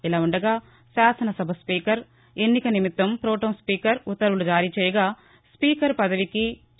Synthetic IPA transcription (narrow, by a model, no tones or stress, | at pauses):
ilaːuɳɖɐɡaː | ʃaːsɐnɐsɐbʱɐspiːkɐɾ | e̞nːikɐnimit̪ːɐmpɾoːʈoːnspiːkɐɾut̪ːɐɾulud͡ʒaːɾiːt͡ʃɛːjɐɡaː | spiːkɐɾpɐd̪ɐʋiki